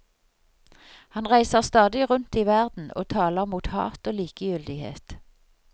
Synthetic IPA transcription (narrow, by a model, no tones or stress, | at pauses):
hɑnʁæɪsəʁst̪ɑːd̪ɪʁʉnt̪iːʋæʁd̪n̩o̰ːt̪ʰɑːləʁmuːt̪hɑ̰ːt̪oːliːkəjʏld̪ɪhḛːt̪